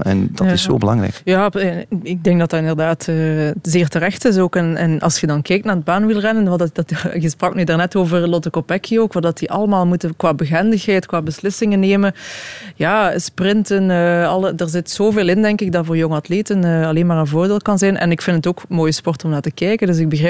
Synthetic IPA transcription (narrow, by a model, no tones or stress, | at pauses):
ɛ̰ndɑtɪsso̰ːbəlɑ̰ŋrɛ̰jkjaːɪɡ̚dɛŋk̚dɑtɑtɪndərdaːtəːzeːrtərɛxtɪs̬oːkɛnɛ̰nɑ̰lˠsxədɑnkɛjk̚tnaːrdəbaːnʋɪlˠrɛnən | jəsprɑknydaːrnɛtoːvərlɔtəkopɛkʰioːkʋɑdɑtiʔɑləmaːlˠmutəkʋaːbəɣɛndəxɦɛjtkʋaːbəslɪsɪŋənːeːməjaːsprɪntənəɑlˠədəːɹzɪtz̥oːveːlˠɪndɛŋkɪɡ̚dɑtvoːɹjoŋəɑtleːtənəːɑleːnmaːrənvoːrdeːlˠkɑnzɛjnʔɛ̰nɪkfɪndətoːkmoːjəspɔrtɔmnaːɹtəkɛjkəndɵs̬ɪɡ̚bəɣrɛː